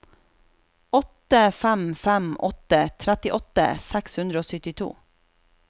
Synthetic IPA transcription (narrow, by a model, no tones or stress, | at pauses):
ɔt̪əfæmfæmʔɔ̰t̪ət̪ʰɾɛt̪ɪʔɔt̪ə̰sɛkshʉnd̪ɾəoːsʏt̪ɪt̪ʰṵː